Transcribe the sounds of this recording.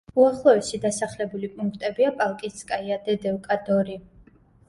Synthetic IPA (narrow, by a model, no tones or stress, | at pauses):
uaχlˠɔɛʃid̪asaχlɛbulipʼuŋkʰt̪ʼɛbiapʼalˠkʼiskʼaiad̪ɛd̪ɛvkʼad̪ɔɾi